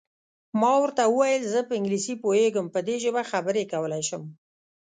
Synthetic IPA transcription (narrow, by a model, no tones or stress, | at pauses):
mɑwəɾt̪awəwajəlzəpəɪŋɡlisipojeɡəmpəd̪eʒəbaxabəɾekawəlajʃəm